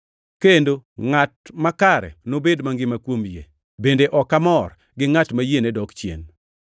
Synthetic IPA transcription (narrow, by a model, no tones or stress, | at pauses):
kendoŋat̚makaɾɛ̰nobedmaŋɡɪmakwomjḛ | bendeʔɔkamɔr | ɡɪŋatmajenedɔkt͡ʃjḛn